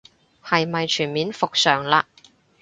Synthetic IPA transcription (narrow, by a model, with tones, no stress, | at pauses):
hɐ˨jmɐ˨jt͡ʃʰyː˨˩nmiː˨˥nfʊ˨k̚sœː˨˩ŋlaː˧